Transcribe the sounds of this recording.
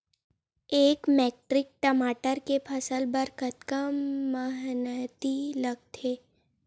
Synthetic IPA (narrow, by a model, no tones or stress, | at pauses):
eːkmɛːk̚ʈɾɪk̚ʈəmaːʈəɾkepʰəsəlbəɾkət̪kəmːəɦnət̪iləɡ̚t̪ʰeː